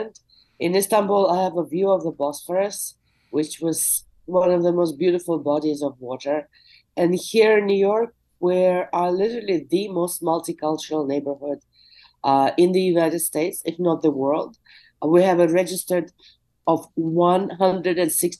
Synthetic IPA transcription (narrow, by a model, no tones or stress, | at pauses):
nd | ʔɪ̃nɪstæ̃nbulˠaɪəvəvjʉʌvðəbɔsfə˞ɨs | wɪt͡ʃwʌz̥ | wʌ̃nʌvðəmoʊst̚b̥jʉɾɨfəl̩ˠbɑɾizʌvwɔɾə˞ | ɨ̃nhiɹɪ̃nːjʉjɔɹk̚ | wiɹə˞lɪɾə˞l̩ˠiðɨmoʊst̚mʌlˠtikʰʌlˠt͡ʃəɹl̩ˠneɪbə˞hʊd | ɪ̃nðɨjʉnaɪɾɨd̥steɪtsɪfnət̪̚ðəwɜ˞lˠd | wiɨvɨɹɛd͡ʒɨstə˞d | ʌvwʌ̃nɦʌ̃ndɹɨɾɨ̃nsɪks